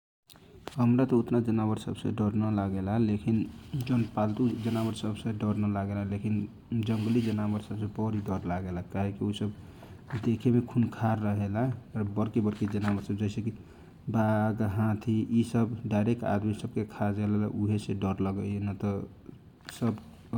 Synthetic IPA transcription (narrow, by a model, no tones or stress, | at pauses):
ɦəmɾat̪ɔut̪nad͡ʒənaβəɾsə̰bsḛɖəɾnəlaɡelaɦɛlekind͡ʒonpalt̪ud͡ʒənabəɾsəbsẽɖəɾnəlaɡelaɦɛlekin | d͡ʒəŋɡlid͡ʒənabəɾsəbsẽpɔɾiɖəɾlaɡelaɦkaɦekiusəb | d̪ekʰemekʰunkʰaɾːəɦelaɦɛɾbəɾkebəɾked͡ʒənabəɾsəb̚d͡ʒɛɪseki | baɡɦãt̪ʰiisəbɖaɪɾek̚ʈa̰d̪misəb̚kekʰad͡ʒeləlauɦeseɖəɾləɡəenət̪ɔ | səb